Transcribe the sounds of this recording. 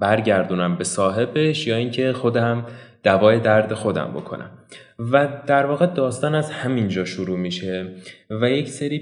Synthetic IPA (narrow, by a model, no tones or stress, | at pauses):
bæɾɟæɾd̪uːnæmbe̞sɒːɦe̞be̞ʃjɒːiːŋcʰe̞xo̞d̪æmd̪̥ævɒːje̞d̪æɾd̪e̞xo̞d̪æ̰mbo̞̰kʰo̰nʔæ̰mvæd̪̥æɾvɒːɣe̞d̪ɒːst̪ɒːnæzhæmind͡ʒɒːʃuɾuːmiːʃe̞væje̞cʰseɾiː